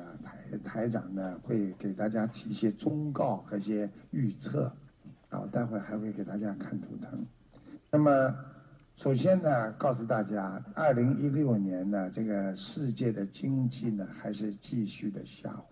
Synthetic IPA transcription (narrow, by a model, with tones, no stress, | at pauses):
t̪ʰa˧˥ɪt̪ʰa˧˥ɪʈ͡ʂɑ̰˨˩ŋnə˦xwe˥˩ɪke˨˩ɪt̪a˥˩t͡ɕja˥t̪ʰi˨˧˥i˥˩ɕjɛ˥t͡sʊ˥ŋkɑ˥˩ʊxɤ˧˥i˥˩ɕjɛ˥y˥˧t͡sʰɤ̰˥˩a̰˧˩wɔ̰˨˩t̪a˥˧nxwe˥˩ɪxa˧˥ɪxwe˥˩ɪke˨˩ɪt̪a˥˩t͡ɕja˥kʰa˥˩nt̪ʰṵ˧˥t̪ʰɤ̰˧˥ŋ | na˥˩mə˨ | ʂo˨˩ʊɕjɛ˥nnə˨kɑ˥˩ʊs̬u˧˩t̪a˥˩t͡ɕja˥ɐ˞˥˩li˧˥ŋi˥ljo˥˩ʊnjɛ˧˥nnə˨ʈ͡ʂɤ˥˩ɡə˩ʂɻ̩˥˧t͡ɕjɛ˥˩d̪ə˩t͡ɕi˥ŋt͡ɕi˥˩nə˩xa˧˥ɪʂɻ̩˥˧t͡ɕi˥˧ɕy˥˩d̪ə˩ɕja̰˥x